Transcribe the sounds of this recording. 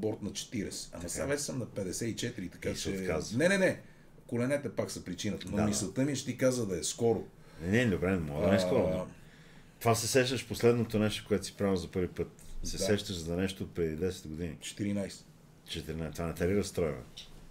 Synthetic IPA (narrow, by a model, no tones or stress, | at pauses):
bɔɾt̪nɐt͡ʃɛ̥t̪iɾɛsɛ̥ɐ̰mɐsavɛssəmnɐpɛd̪ɛsɛit͡ʃɛt̪iɾit̪ɐ̥kat͡ʃɛkaznɛnɛnɛ | kolɛnɛt̪ɛpaksɐpɾit͡ʃinət̪nomisɐt̪əmiʃt̪ikazəd̪ɐɛskɔɾo | nɛd̪obɾɛnɛmɔɡd̪ɐnɛskɔɾo | t̪ovasɛsɛʃt̪əʃposlɛd̪not̪onɛʃt̪okoɛt̪o̥si̥pɾavzɐpɤɾvipɤt̪̚sɛɛʃt̪əʃzɐnɛʃt̪oːt̪̚pɾɛd̪id̪ɛsɛ̥d̪ɡod̪inḭt͡ʃɛ̥t̪iɾinajsɛ̥ | t͡ʃɛt̪iɾinat̪ovanɛt̪ɛɾiɾɐst̪ɾɔjvɛ̰